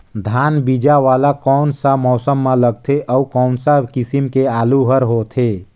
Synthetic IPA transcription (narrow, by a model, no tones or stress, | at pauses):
d̪ʱanbid͡ʒaʋalakɔːnsamɔːsəmːãləɡ̚t̪ʰeʔəukɔːnsakisimkeaːluɦəɾɦot̪ʰe